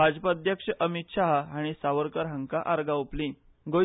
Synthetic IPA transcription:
bʱad͡ʑpad̪ʱjəkʂəʔəmit̪ɕaɦaaɽ̃isaʋəɾkəɾɦəŋkaʔaɾɡauplĩ | ɡo

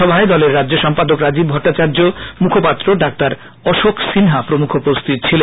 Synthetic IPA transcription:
ɔbʱaed̪ɔleɾːadːd͡ʑoʃɔmpad̪okɾad͡ʑib̚bʱɔʈːat͡ɕaɾd͡ʑomukʰopat̪ːɾoɖak̚t̪aɾ | ɔʃoksinɦapɾomukʰopɾost̪it̪̚t͡ɕʰile

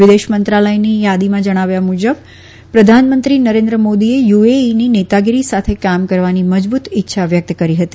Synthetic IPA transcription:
ʋɪd̪eʃmənt̪ɾaləjnijad̪imãd͡ʒəɽ̃aʋjamud͡ʒəb̚ | pɾəd̪ʱanmənt̪ɾinəɾẽnd̪ɾəmod̪iejueninet̪aɡiɾisat̪ʰekamkəɾʋaniməd͡ʒbut̪ɪtːʃʰaʋjək̚t̪kəɾiɦət̪i

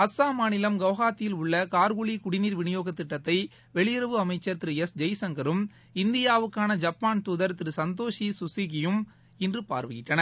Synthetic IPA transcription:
ɐsaːmaːnɪlɐmɡɐʋɣaːt̪ːɪjɪlʊɭːɐkaːɾɣʊɭikʊɽɪniːɾʋɪɳɪjoːɣɐt̪ːɪʈːɐt̪ːɐɪ | ʋɛɭɪjɪɾɐʋɯɐmɐɪt͡ʃːɐɾt̪ɪɾɯɛsd͡ʒɐɪsɐŋɡɐɾɯm | ɪnd̪ɪjaːʋɯkːaːnɐd͡ʒɐpːaːnt̪uːðɐɾt̪ɪɾɯsɐnd̪oːʂisʊsɪɣɪjɯm | ɪndrɯpa̰ːɾʋɪɣɪʈːɐnɐɾ

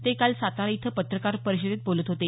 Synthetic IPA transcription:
t̪ekalsat̪aɾit̪ʰəpət̪ɾəkaɾpəɾiɕ̬id̪et̪̚bolət̪ɦot̪e

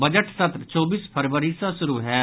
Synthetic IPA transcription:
bəd͡ʒəʈsət̪ɾt͡ʃɔːbiːspʰəɾʋəɾiːsãːsʊɾuːɦɛː

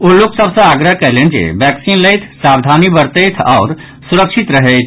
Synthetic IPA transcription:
ulːuksəbsə̃aɡɾəɦkɛɦlend͡ʒḛbɛksinləjt̪ʰsabd̪ʱanibəɾt̪əjt̪ʰa̰ʊɾ | suɾəkʃʰit̪ɾəɦəjt̪ʰ

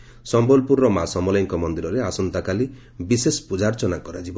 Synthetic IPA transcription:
sɔmbɔlpuɾːɔmasɔmɔlɔŋkɔmɔnd̪iɾɔɾeasɔnt̪akali | bisesɔ̥pud͡ʒaɾt͡ʃɔnakɔɾad͡ʒibɔ

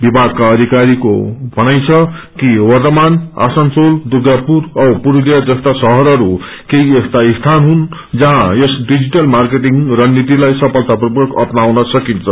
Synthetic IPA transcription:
bibʱaɡ̚kaʌd̪ʱikaɾiko̰bʱʌnajt͡sʰʌ | kiwʌrt̪ʌmana̰sʌnsold̪uɡapuɾʌwpuɾulijad͡zʌst̪asʌɦʌɾʌɾu | keiest̪aist̪ʰanɦun | d͡zʌɦãesɖid͡ziʈʌlmarkeʈiŋrʌnit̪̬ilajsʌpʌlt̪aprubʌkʌ̰pnawnʌsʌkint͡sʰʌ

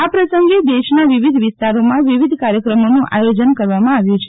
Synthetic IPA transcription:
apɾəsəŋɡed̪eʃnaʋiʋid̪ʱʋɪst̪aɾomãʋiʋid̪ʱkaɾjəkɾəmonũʔa̰jod͡ʒənkəɾʋamãaʋjũt͡ʃʰe

